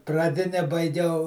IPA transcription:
prɐˈdʲɪnʲɛ bɐɪˈɡʲɛʊ

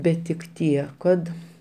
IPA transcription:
ˈbʲɛt tʲɪk ˈtʲiɛ kɐt

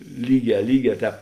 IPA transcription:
ˈlʲiːˌɡʲɛː ˈlʲiːˌɡʲɛː ˈtʲɛːp

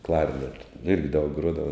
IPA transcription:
ˈklˠɐɪpʲɪdoːj ɪrʲɡʲɪ dɐʊk ˈɡruɔdɐʋɐ

